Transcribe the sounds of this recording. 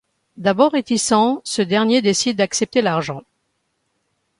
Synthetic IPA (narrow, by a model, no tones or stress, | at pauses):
d̪abɔʁːet̪isɑ̃səd̪ɛʁnjed̪esid̪ːaksɛp̚t̪elaʁʒɑ̃